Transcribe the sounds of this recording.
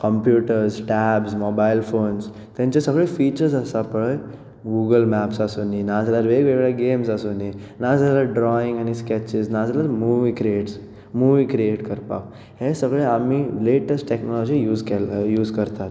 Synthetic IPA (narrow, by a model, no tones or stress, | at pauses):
kəmpjuʈəɾsʈæbsmɔbailfons | t̪jãɲt͡ɕasəɡɭefit͡ɕəɾsəsapəɭe | ɡuɡəlmæpsasoninad͡zalaɾʋeɡʋeɡɭjaɡemsasoninad͡zalaɖɾɔiŋɡañiskɛt͡ɕisnad͡zalaɾmuʋiːkɾieʈs | muʋiːkɾieʈkəɾpa̰k | hesəɡɭeamileʈəsʈʈeknɔlɔd͡ʑijuːzkɛjuːzkəɾt̪at̪